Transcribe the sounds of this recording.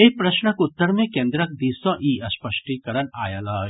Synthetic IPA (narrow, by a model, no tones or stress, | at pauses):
ek̚pɾɐʃɳəkʊt̪ːəɾmẽkẽːnd̪ɾək̚d̪iːsɔ̃ʔiːɐspəʃʈikəɾəɳa̰ːjalaː